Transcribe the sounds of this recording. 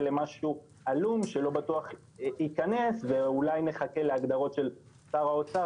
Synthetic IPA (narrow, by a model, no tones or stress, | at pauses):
le̞maʃu | alumʃe̞lo̞batuaχ | ikane̞sveulajneχake̞leaɡd̪aʁo̞tʃe̞l | saʁaot͡sa